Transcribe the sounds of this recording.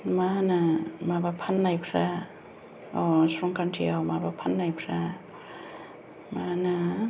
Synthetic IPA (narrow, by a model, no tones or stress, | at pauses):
manamabapʰanːajpʰɾa | ɔsɾɔŋkʰantʰiawmabapʰanːajpʰɾa | mana